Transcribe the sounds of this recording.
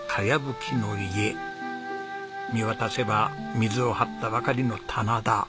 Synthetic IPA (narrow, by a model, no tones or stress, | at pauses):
kʰajʲabɯ̟kʲʰino̞ie | miβat̪ase̞bamʲizɨo̞hat̪ːaβakaɾʲino̞t̪ʰanad̪a